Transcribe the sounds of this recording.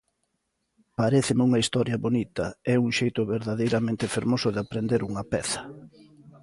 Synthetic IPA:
paɾeθɪmɪuŋɐist̪ɔɾjɐβonit̪ɐɛuŋʃejt̪ʊβeɾðaðejɾamẽnt̪ɪfeɾmosʊðɪapɾend̪eɾuŋɐpɛθɐ̥

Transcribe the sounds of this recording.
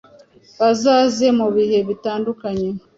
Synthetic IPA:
βazaːzemuβihe̞βitaːndukaɲe

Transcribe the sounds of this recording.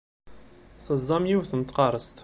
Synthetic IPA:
θəzˤːɑmjiwθənt̪qɑɾˤəst̪

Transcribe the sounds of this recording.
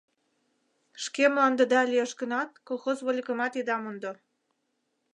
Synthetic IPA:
ʃkemlɑnd̪ə̆d̪ɑlieʃɡə̆nɑt̪̚kolˠxozβolʲɣə̆mɑt̪id̪ɑmund̪ŏ

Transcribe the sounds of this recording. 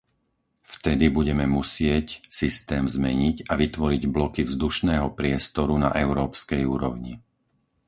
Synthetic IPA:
ft̪ɛd̪ibuɟɛmɛmusɪɛcsist̪ɛːmzmɛɲiɟaʋit̪ʋɔɾiɟblɔkivzd̪uʃnɛːɦɔpɾɪɛst̪ɔɾuna̰ʔɛʊɾɔːpskɛjuːɾɔʊɲḭ

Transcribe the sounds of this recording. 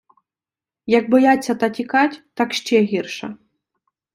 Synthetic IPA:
jɐɡ̚bɔjat͡sʲːɐt̪ɐtʲikɑtʲt̪ɑkʃt͡ʃɛɦʲirʃɐ̰

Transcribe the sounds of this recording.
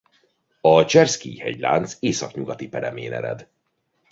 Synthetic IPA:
ɒt͡ʃɛrskiːhɛɟla̰ːnt̪seːsɒkɲuɡɒt̪ipɛɾɛmeːnɛɾɛ̰d̪

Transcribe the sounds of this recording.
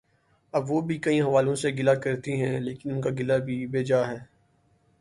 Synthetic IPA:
ɐbʋoːbʱikɐĩɦɐʋaːlõseɡɪlakɐɾt̪iɦɛ̃leːkɪnʊnkaɡɪlabʱibeːd͡ʒaɦɛː

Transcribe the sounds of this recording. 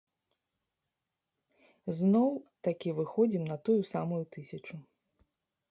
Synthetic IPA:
znɔwt̪akʲivɨxɔd͡zʲimnɐt̪ujusamujut̪ɨsʲɐt͡ʂu

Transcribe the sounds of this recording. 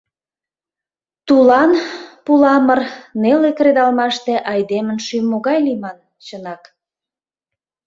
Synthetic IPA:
t̪ulɑnpulɑmərnelekɾed̪ɑlmɑʃt̪eʔɑjd̪emənʃymːoɣɑjlimɑn | t͡ɕənɑk

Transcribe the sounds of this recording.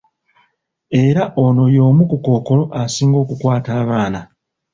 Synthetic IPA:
e̞ɾaʔo̞no̞jo̞ːmukuko̞ːko̞lo̞ʔasiːŋɡo̞ːkukwaːtaːβaːna

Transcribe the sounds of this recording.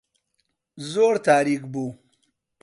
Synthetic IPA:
zoɾt̪aːɾikbu

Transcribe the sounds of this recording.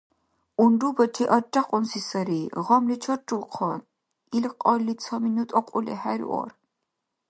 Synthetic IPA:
undubɐt͡ʃʰiʔɐd͡ʒʼaqʼɔnsisɐɾiʁɔmlit͡ʃʰɔɾʈ͡ʂulqʰɔn | ilqʼɔlːit͡sʰɔminut̪ʼɔqʼulɛ̰hæɾḭʔɔ̰ɾ

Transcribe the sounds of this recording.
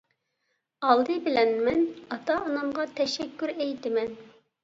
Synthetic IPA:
ɑlˠd̪ɨbɪlɛnmɛnɑt̪ʰɑːnɑmʁɑt̪ʰɛʃɛkʲʰːyɾɛjt̪ɪmɛn

